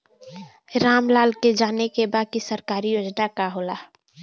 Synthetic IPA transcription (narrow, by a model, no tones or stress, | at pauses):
ɾaːmlaːlked͡ʒaːnekebaːkisəɾkaːɾijoːd͡ʒnakaɦoːlaː